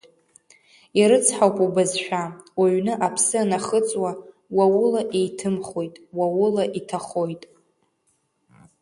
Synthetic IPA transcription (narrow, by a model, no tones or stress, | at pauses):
iɾɨt͡sʰħawpʼubazʃᶣawaɥnɨʔapʰsɨanaχət͡sʼwa | wawʊlaʔejtʰɨmχojtʼwawʊlaʔitʰaχo̞jtʼ